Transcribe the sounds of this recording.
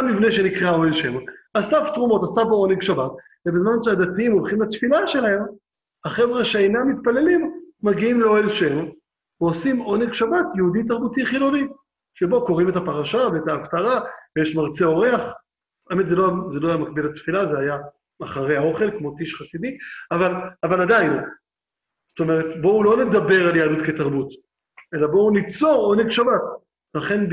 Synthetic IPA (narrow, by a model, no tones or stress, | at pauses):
mivne̞ʃenikʁao̞elʃemoasaft̪ʁumo̞tasafao̞neɡʃabat | vebezmanʃead̪atiimolχimlat̪filaʃe̞lahe̞m | haχe̞vʁaʃeejnamit̪̚pale̞limːaɡiimleoelʃeme | veosimo̞neɡʃabat̪jeudit̪aʁbutiχilo̞ni | ʃebo̞ko̞ʁimetapaʁaʃaveetaːftaʁavejeʃmaʁt͡seo̞ʁe̞aχ | aemetzelozelo̞ajamakbilatfilazehaja | aχaʁehao̞χe̞lkmo̞tiʃχasidiavalavaladajn | z̥ot̪o̞me̞ʁetbo̞ulone̞d̪abe̞ʁaljaadutke̞taʁbut | ʔe̞labo̞unit͡so̞ʁo̞ne̞ɡʃabat | laχe̞n